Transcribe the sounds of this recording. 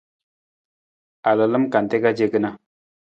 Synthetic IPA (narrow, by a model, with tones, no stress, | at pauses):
a˨lə˨lə˦mka˨n˨te˦ka˦d͡ʒe˦ɡə˦na˦